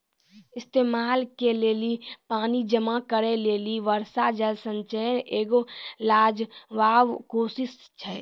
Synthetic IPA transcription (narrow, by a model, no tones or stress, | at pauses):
ɪst̪eːmaːlkeleːlipaːnid͡ʒəmakəɾeleːliʋəɾsad͡ʒəlsə̃nt͡ʃɛːneːɡolaːd͡ʒʋaːʋkoːsɪs | t͡ʃʰɛ